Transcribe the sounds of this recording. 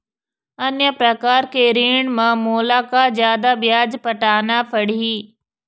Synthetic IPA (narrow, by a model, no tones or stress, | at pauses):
ɐnjəpɾɐkaːɾkeɾiːɳ̃mãmoːlaːkazjaːd̪abɪjaːd͡ʑpɐʈaːnafɐɽiiː